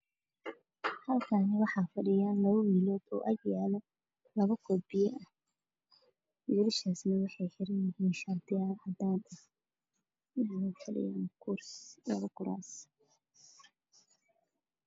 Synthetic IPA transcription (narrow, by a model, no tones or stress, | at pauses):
hɐlkʰaːnɪwɑħɑːfɐɽɪjaːnlɐβɐwiːlɔːd̪ɔ̰ːʔɐɡjaːlɔ | lɐβɐkʰɔbɪjɛʔɐh | wiːɾɪʃaːsnɐwɑħɑjħɪɾɐnjɪɦiːnʃaːd̪ɪjaːlhɐd̪aːnɐ | ɪnaːnɐfɐɽɪ̰jaːnkʰʊrslɐβɐkʰʊɾa̰ːs